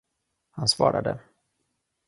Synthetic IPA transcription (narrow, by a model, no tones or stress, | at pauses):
hansvɑːɾad̪ə